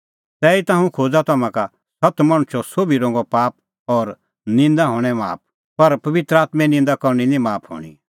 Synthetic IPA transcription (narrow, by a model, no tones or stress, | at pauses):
t̪ɛːit̪ãːũkʰoːd͡zat̪ɐmãka | sɐt̪mɐ̃ɽ̃ʊt͡ʃʰɔsoːbiɾõːŋɡɔpaːp̚ | ɔːɾ | nɪ̃nd̪aɦoːɽ̃ɛma̰ːp̚ | pɐɾpɐʋɪt̪ɾəaːt̪mɛ̃nɪ̃nd̪akɔɾninĩmaːpʰɦo̰ːɽ̃ḭ